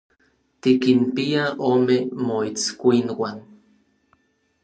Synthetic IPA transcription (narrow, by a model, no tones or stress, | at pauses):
t̪ikinpiaʔoːmemoit͡skʷinwan